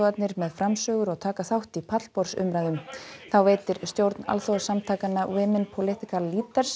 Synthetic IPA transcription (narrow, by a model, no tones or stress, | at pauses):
at̪nɪɾmɛðfɾamsœːɣʏɾɔɣt̪ʰaːkaθawht̪ipʰat̪l̥pɔɾ̥sʏ̰mɾajðʏmθawveːjt̪ɪɾ̥st̪jowɾt̪na̰lθoɣsamt̪ʰaːkanːawɪːmɪnpʰowlɪht̪ikaliːt̪aɾ̥s